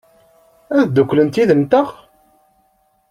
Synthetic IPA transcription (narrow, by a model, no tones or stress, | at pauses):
æðd̪ukʷːlənt̪iðənt̪əʁ